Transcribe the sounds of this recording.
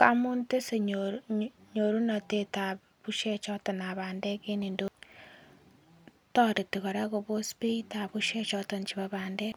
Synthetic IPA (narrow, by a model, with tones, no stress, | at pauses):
ka˦mu˦nte˦se˨ɲoɾɲo˨ɾu˦na˨teta˨ | βuʃe˦t͡ʃɔ˦tenaβaːnde˦ke˦ni˨ndo | to˦ɾi˨tiɣo˨ɾa˦ɣo˨βo˦spita˨βuʃe˦t͡ʃɔ˦toɲt͡ʃiβaβaːnde